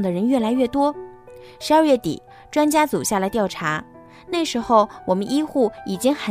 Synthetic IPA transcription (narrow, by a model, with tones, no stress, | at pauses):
ŋd̪ə˩ɻə˧˥nɥɛ˥˩la˧˥ɪɥɛ˥˩t̪wɔ˥ | ʂɻ̩˧˥ɐ˞˥˧ɥɛ˥˩t̪ḭ˨˩˦ | ʈ͡ʂwa˥nt͡ɕja˥t͡su˨˩ɕja˥˩lə˩t̪jɑ˥˩ʊʈ͡ʂʰa˧˥ | na˥˩ɪʂɻ̩˧˥xo˧ʊwɔ˨˩mə˦nʔi˥xu˥˩i˨˩t͡ɕi˥ŋxə˨˩